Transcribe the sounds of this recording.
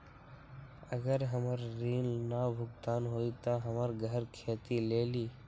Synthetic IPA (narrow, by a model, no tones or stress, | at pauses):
əɡəɾɦəməɾːiːlnabʱʊɡt̪aːnɦoːit̪aɦəməɾɡʱəɾkʰeːt̪ileːliː